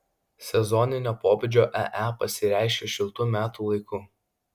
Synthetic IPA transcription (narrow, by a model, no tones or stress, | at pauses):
sʲɛzɔnʲɪnʲoːpoːbʲed͡ʒʲoːʔɛ̰ʔæpɐsʲɪɾʲæˑɪʃʲeʃʲɪlˠt̪uːmʲæːt̪uːlˠɐɪkʊ